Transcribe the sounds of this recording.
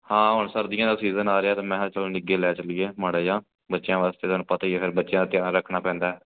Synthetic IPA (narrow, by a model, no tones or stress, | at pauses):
hãːɦʊɳsəɾd̪ɪjãːd̪aːsiːzənaːɾeːaːt̪ãːmɛ̃ːt͡ʃəlnɪɡeːlɛːt͡ʃəlɪjeːməɽeːd͡ʒãː | bətːʃjãːʋaːst̪eːt̪onũːpət̪aːieːpʰɪɾbətːʃjãːd̪aːt̪jãːɾəkʰnaːpɛ̃ːnd̪aːɛː